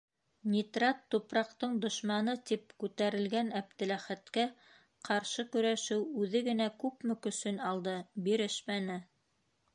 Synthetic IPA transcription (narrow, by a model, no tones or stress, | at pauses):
nʲit̪rat̪ːupɾɑqt̪ɤɴd̪ŏʃmɑnɤt̪ip̚kʉt̪æɾɘ̆lɡænæp̚t̪ɘ̆læχæt̪kæ | qʰɑɾʃɤkɵ̆ɾæʃɘwʉðɘɡɘ̆nækʉpmɘ̆kɵ̆sɵnɑlˠd̪ɤbiɾɘʃmænɘ